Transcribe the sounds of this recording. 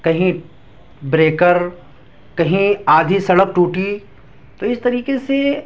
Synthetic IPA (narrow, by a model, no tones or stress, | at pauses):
kɐɦĩ | bɾeːkəɾ | kɐɦĩaːd̪ʱisɐɽək̚ʈuːʈi | t̪oɪst̪ɐɾiːkese